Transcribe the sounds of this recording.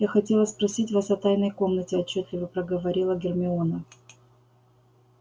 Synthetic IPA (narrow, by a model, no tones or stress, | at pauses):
jaxɐtʲe̞lˠəspɾɐsʲitʲvasɐt̪ajnəjko̞mnətʲɪɐt͡ɕːot̪ʲlʲɪvəpɾəɡəvɐɾʲilˠəɡʲɪrmʲɪonə